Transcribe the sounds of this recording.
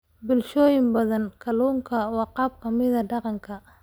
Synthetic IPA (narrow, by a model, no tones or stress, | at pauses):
bɪlʃɔːjɪmbɐðɐnkʰɐluːŋkʰɐwɑːqɑːb̚kʰɐmɪðɐɖɑqɑŋkʰɐ